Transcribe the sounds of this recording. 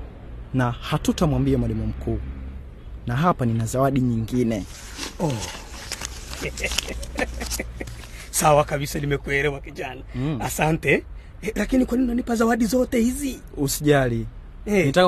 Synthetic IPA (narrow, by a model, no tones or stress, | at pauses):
nahatutamwambiamwalimum̩kʰuː | naɦapaninazawaɗiɲiŋɡinɛ | ɔ | sawakaɓisalimɛkwɛɾɛwakid͡ʒanaasantɛ | lakinikwaninanipazawaɗizɔtɛhizi | usiʄali | ɛnitak